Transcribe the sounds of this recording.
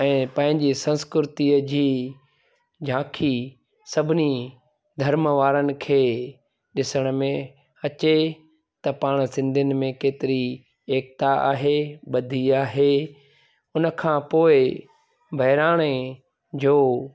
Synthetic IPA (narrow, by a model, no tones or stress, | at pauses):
ɛ̃ːpɐ̃ɦɪ̃ɲd͡ʑisɐ̃nskɾɪɾɪt̪iəd͡ʑiː | d͡ʑʱãːkʰi | sɐbʱɪni | d̪ʱɐɾməʋaːɾənɪ̆kʰeː | ɗɪsəɽ̃əmẽ | ɐt͡ɕe | t̪ɐpaːɽ̃sɪ̃nd̪ʱənɪ̆mẽkeːt̪ɪɾi | eːk̚t̪aa̰ːɦeɓɐd̪ʱiaːɦe | ʊnə̆kʰãːpoːɪ | bʱɐɦɪɾaːɽ̃e | d͡ʑoː